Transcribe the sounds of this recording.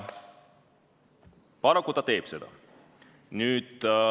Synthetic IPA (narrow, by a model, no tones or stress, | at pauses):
pɑɾɑkːˑut̪ɑt̪e̞ːb̥se̞d̪̥ɑ̰ | nyːd̪̥